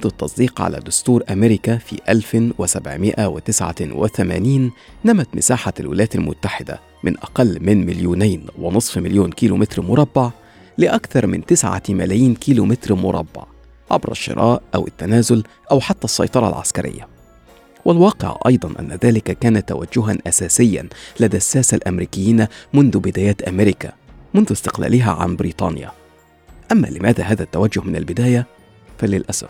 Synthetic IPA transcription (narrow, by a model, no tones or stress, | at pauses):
d̪ɑt̪ːɑsˤd̪iːqʕa̰læ̰ːd̪ʊst̪uːɾʔæmeɾɪkæfḭːʔælfwɪsabʕmɪʔæwɪt̪ɪsʕa̰wɪ̰θæmæ̰ːniːnːæmæt̪mɪsaːħalwɪ̰ljæːt̪almʊ̰t̪ːaħɪd̪æ̰ | mɪnʔɑqɑlːmɪnmɪljuːnæjnwɪnɨsˤfmɪljuːnkiːlumɪt̪ɾmʊɾˤɑbːaʕ | lɪʔækθɑɾˤmɪnt̪ɪsʕa̰mælæjiːnkiːlumɪt̪ɾmʊɾˤɑbːa̰ʕ | ʕa̰bɾɑ̰ʃːɪ̰ɾˤʔɑ̰ːʔʔæwɪt̪ːænæːzʊl | ʔæwħat̪ːæsˤːɑ̰jt̪ˤɑɾˤɑ̰lʕa̰skæɾʔɪ̰jːa | wʔɪlwɑːqɪ̰ʕʔɑ̰jd̪ˤɑnʔa̰nːæðæːlɪkækæːnæt̪ːa̰wæ̰d͡ʒːʊɦanʔæsæːsɪjːæ̰nlad̪æsːæːsalʔæmɾiːkɪjːiːnamʊnðʊbɪd̪æːjæːt̪ʔamɪɾɪkæ̰ | mʊnðʊst̪ɪqlæ̰ːlɪɦæ̰ʕa̰nbɾḭːt̪ˤɑ̰ːnja̰ | ʔæmːæ̰ːlɪmæːðæ̰ɦaːðæt̪ːæwad͡ʒːʊhmɪnalbɪd̪æːjæ | fælɪlʔæsæ̰f